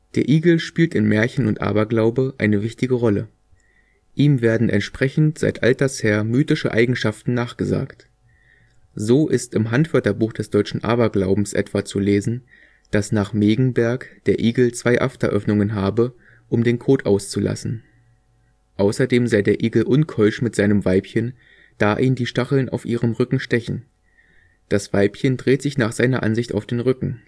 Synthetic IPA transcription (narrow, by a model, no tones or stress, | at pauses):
d̥eːɐʔiːɡl̩ʃpiːltɪnmɛːɐçn̩ʊntʔa̰ːbɐɡlaʊbəʔa̰ɪnəvɪçtɪɡəʁɔlə | ʔiːmveːɐdn̩ʔɛ̰ntʃpʁ̥ɛçn̩tz̥a̰ɪtʔa̰ltɐsheːɐmyːtɪʃə̰ʔa̰ɪɡŋ̩ʃaftn̩naːχɡ̥əza̰ːkt | zoːʔɪstɪmɦantv̥ɛɐtɐbuːxd̥ɛsd̥ɔʏt͡ʃn̩ʔa̰ːbɐɡlaʊbm̩sʔɛ̰tv̥at͡suleːzn̩ | d̥asnaːχmeːɡŋ̩bɛɐkd̥eːɐʔiːɡl̩t͡sv̥aɪʔa̰ftɐ̰ʔœfnʊŋənɦaːbə | ʔʊmdeːnkʰoːtʔaʊst͡sulʔa̰sn̩ | ʔaʊsɐdeːmzaɪdeːɐʔiːɡl̩ʔʊnkʰɔʏʃmɪtz̥aɪnəmvaɪpçən | d̥aːʔiːndiːʃtaχl̩nʔa̰ʊfʔiːʁəmʁʏkŋ̩ʃtɛçn̩ | d̥asv̥aɪpçəndʁeːtz̥ɪçnaːχz̥aɪnɐʔa̰nzɪçta̰ʊfd̥eːnʁʏkŋ̩